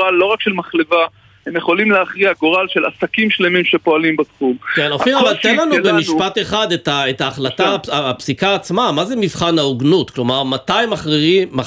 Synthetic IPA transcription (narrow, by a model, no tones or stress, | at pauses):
alːo̞ʁakʃelmaχleva | hemjeχo̞limleaχʁiaɡoʁalʃe̞la̰sakimʃle̞mimʃe̞po̞alimbatχumkenoiavalt̪enlanubemiʃpateχad̪etaetaːχlat̪aaːpsikaːt͡smamazemivχanauɡnutklo̞maʁmatajmaχʁia